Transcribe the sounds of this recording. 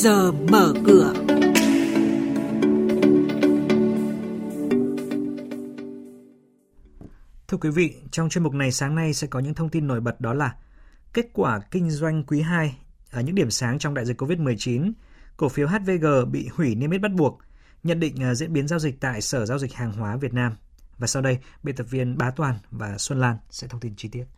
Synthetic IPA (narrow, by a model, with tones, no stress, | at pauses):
zəː˨˩məː˧˩kɨ˧˩ə | t̪ʰɨ˧əkwi˨˦vḭ˧˨t͡ɕɔ˧wŋ͡mt͡ɕwnmʊ˨˩k͡p̚na˨˩jsaː˨˦ŋna˧jsɛ̰˧˥kɔ˨˦ɲɨ̰˧˥ŋt̪ʰə˧wŋ͡mt̪i˧nːo˧˩jɓə˨˩t̚ɗɔ˨˦laː˨˩ke˦˥t̚kwaː˧˩kï˧ŋ̟zwa˧jŋ̟kwi˨˦ɦaː˧j | ʔəː˧˩ɲɨ̰˧˥ŋɗi˧˩əmsaː˨˦ŋt͡ɕɔ˧wŋ͡mɗa̰ː˧˨jzi˨˩kːo˧vi˦˥t̚mɨ˨˩əjt͡ɕi˨˦nko˧˩fi˨˦wɦaː˦˥t̚ve˧ɣəː˨˩ɓḭ˧˨hwi˧˩ni˧m˦˥t̚ɓa˦˥t̚ɓu˨˩ək̚ | ɲə̰˧˨nɗḭ̈˧˨ŋ̟ʔəː˨˩zḭ˧˥nɓi˨˦ənzaː˧wzï˨˩k̟̚t̪a̰ː˧˨jsəː˧˩zaː˧wzï˨˩k̟̚haː˨˩ŋɦwaː˨˦vi˨˩ət̚naː˧m | vaː˨˩sa˧wɗə˧jɓḛ˧˨t̪ə˨˩p̚vḭ˧ənɓaː˨˦t̪waː˨˩nvaː˨˩swə˧nlaː˧nsɛ̰˧˥t̪ʰə˧wŋ͡mt̪i˧nt͡ɕi˧t̪i˦˥ət̚